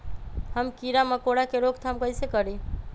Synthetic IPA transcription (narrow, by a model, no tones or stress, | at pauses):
həmkiɾaməkoɽakeɾokt̪ʰamkəjsekəɾi